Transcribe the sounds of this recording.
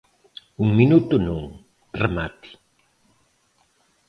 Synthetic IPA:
uŋminut̪unuŋ | remat̪i̥

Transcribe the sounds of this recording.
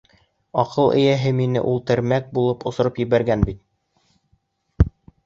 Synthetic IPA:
ɒqʰɤlˠʔɘ̰̆jæɦɘminɘ̰ʔulˠt̪ɘ̆ɾmæk̚bulˠɤpŏsŏɾɤpjɘ̆βæɾɡænbit̪̚

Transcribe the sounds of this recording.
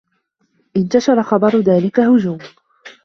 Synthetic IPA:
ʔɪnt̪aʃɑɾˤɑxɑbɑɾˤðaːlɪkahʊd͡ʒuːm

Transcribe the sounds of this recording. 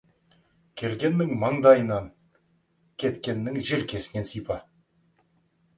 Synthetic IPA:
kʲʰe̞lɡʲe̞nːɪŋmɑɴd̪ɑjənɑŋ | kʲʰe̞t̪kʲe̞nːɪŋʒeɾkʲʰe̞sɪne̞nsijpɑ

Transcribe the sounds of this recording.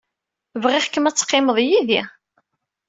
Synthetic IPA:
vʁɪħəkːəmæt͡sːqːɪməðˤjiði

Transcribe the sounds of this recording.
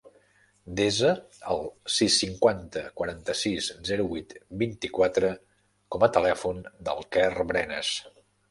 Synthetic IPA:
d̪ezə | əlˠsisːiŋkwant̪əkwəɾant̪əsizzɛɾuβut̪bint̪ikwat̪ɾə | kɔmət̪əlɛfund̪ə̰lˠkɛrβɾɛnə̰s

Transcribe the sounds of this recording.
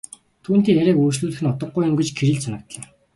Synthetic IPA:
t̪ʰuːn̥t̪iːŋeɾʲæːkuːt͡ɕɮuːɮɘxɘ̆nʊt̪ɞ̆ɢːujʊ̆mɡit͡ɕkʰeɾiːɮsʰanə̆k̚t̪ɮăː

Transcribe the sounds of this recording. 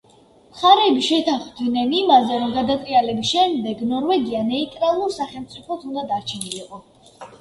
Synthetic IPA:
mχaɾɛːbiʃɛt̪ʰaχvd̪nɛnimazɛɾɔmɡad̪at̪ʼɾialɛbisʃɛmd̪ɛɡnɔɾvɛɡianɛit̪ʼɾalˠuɾsaχɛlˠmt̪sʼipʰɔt̪ʰund̪ad̪aɾt͡ʃʰɛniliqʼɔ

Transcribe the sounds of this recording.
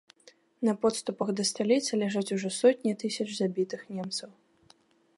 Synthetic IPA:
nɐpɔt̪st̪upɐxd̪ɐst̪alʲit̪sɐlʲaʐat͡sʲuʐɔsɔt̪ʲnʲit̪ɨsʲɐt͡ʂzabʲit̪ɨxnʲɛmt̪sɐw

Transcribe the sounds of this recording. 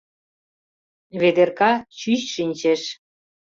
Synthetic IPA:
βed̪erkɑt͡ɕyɕʃinʲt͡ɕeʃ

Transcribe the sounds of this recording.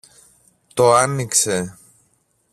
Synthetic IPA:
t̪o̞ɐnikse̞

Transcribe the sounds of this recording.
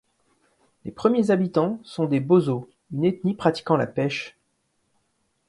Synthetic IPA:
lepχəmjezabit̪ɑ̃sɔ̃d̪ebozo | ynet̪nipχat̪i̥kɑ̃la̰pɛʃ

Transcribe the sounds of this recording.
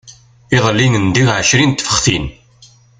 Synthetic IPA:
ɪðˤəlːinənd̪iʁʕəʃɾint̪ːfə̥χθḭn

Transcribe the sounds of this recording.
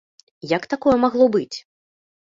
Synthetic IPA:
jɐkt̪akɔjɛmaɣlˠɔbɨt͡sʲ

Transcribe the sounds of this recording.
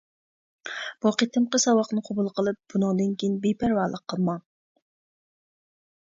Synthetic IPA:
b̥uqʰet̪ʰɨmqəsɑwɑqnɨqʰobulˠqʰəlˠɨp̚b̥unɨŋd̪ɨnkʲijinbepʰæɾwɑɾlˠəqʰːəlˠmɑ

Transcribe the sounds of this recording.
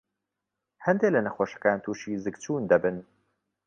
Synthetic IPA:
hɐnd̪eːlɐnɐxoːʃɐ̥kaːnt̪ʰuːʃiːzɨkt͡ʃʰuːnd̪ɐbɨn

